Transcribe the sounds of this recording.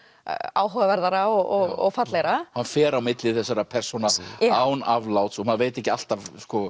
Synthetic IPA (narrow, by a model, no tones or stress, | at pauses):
a̰ːwɦɔɣavɛɾðaɾaɔɣɔɣɔ̰ɣfat̪leɣɾahanfɛːɾawmɪt̪lɪθɛsːaɾapʰɛr̥sɔnaaːwnavlawt̪sɔmaðveːjt̪ɛhcɪal̥t̪avskɔ